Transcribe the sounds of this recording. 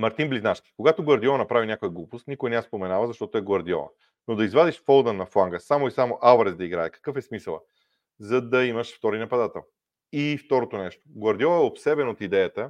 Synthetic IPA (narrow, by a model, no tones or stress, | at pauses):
mɐɾt̪inbliznaʃk̪i̥koɡat̪oɡɐɾd̪iɔnɐpɾavinʲjakojəɡlˠupʊst̪nikojnɛaspomɛnavəzɐʃt̪ɔt̪oɛɡwˠɐɾd̪iɔ̰ə̰ | nod̪ɐizvad̪iʃfɔlˠd̪ənɐflˠaŋɡəsamoisamoʔaʊɾɛzd̪ɐiɡɾaɛkɐ̥kɤfɛsmisəlˠə̰ | zɐd̪ɐiməʃft̪ɔɾinɐpɐd̪at̪ɛ̰lˠ | ift̪ɔɾot̪onɛʃt̪o̥ɡwɐɾd̪iɔɛopsɛbɛnot̪id̪ɛjət̪ə